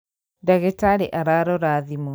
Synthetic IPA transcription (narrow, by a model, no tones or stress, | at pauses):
daɣetaɾeʔaɾaɾɔɾaðimu